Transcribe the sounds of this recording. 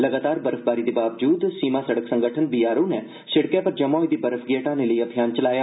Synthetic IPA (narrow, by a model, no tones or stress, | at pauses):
lɐɡaːt̪aːɾbɐɾəfʰbaːɾid̪ibaːʋd͡ʒuːd̪siːmãsɐɽəksə̃ŋɡəʈʰənbijaːɾõnɛ | sɪɽkẽpɐɾd͡ʒɐmaːid̪ibɐɾəfʰɡeːʈãːneləiɐbʱijaːnt͡ʃɐlaːjaː